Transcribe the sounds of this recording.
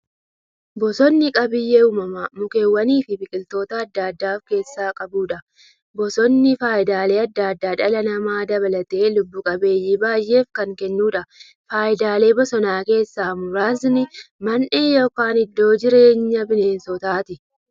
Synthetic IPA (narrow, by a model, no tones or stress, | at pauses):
bɔsɔnːɪkʼɐbɪjːeːuːmɐmɐmʊke̞ːwːɐniːfɪbɪkʼɪlt̪o̞ːt̪ɐːd̪ːad̪ːaːfke̞ːsːaːkʼɐbuːᶑɐ | bɔsɔnːɪfaːjɪd̪aːle̞ːɐd̪ːaːd̪ːaːᶑɐlɐnɐmaːd̪ɐβɐlɐt̪e̞ːlʊbːʊkʼɐbe̞ːjːiːbaːjʔe̞ːfkɐŋkɛnːuːᶑɐ | faːjɪd̪aːle̞ːbɔsɔnaːke̞ːsːaːmʊɾaːznɪmɐnʔe̞ːjoːkaːnɪd̪ːo̞ːd͡ʒɪɾe̞ːɲːɐbɪne̞ːnsɔt̪aːt̪ɪ